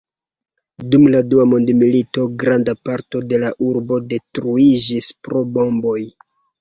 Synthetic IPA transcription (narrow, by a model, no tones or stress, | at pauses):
dumladuamondmilito̞ɡɾandapaɾto̞de̞laʔuɾbo̞de̞tɾuid͡ʒispɾo̞bo̞mbo̞j